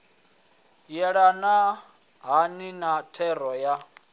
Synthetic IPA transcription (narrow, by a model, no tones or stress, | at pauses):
jɛɺana | ɦaninatʰɛɾɔja